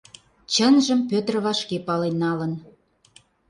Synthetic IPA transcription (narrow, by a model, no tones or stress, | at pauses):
t͡ɕənʒəmpøt̪rβɑʃkepɑlenːɑlən